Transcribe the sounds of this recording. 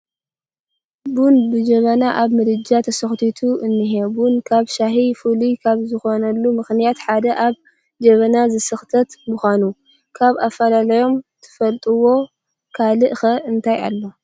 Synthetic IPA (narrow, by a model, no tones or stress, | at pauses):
bunbɨd͡ʒɐβɐnaʔaβmɨɾɨd͡ʒat̪ʰɐsɐxt̪ʰit̪ʰuʔɨnːɨɦebunkʰaβʃaɦifulikʰaβzɨxo̞nɐlːumɨxnijat̪ħad̪ɐʔaβ | d͡ʒɐβɐnazɨsɨxt̪ʰɐt̪muxʷanu | kʰaβafɐlalɐjo̞mt̪ʰɨ̥fɐlt̪ʼuwo̞ | kʰalɨʔɨxɐɨnt̪ʰaja̰lːo̞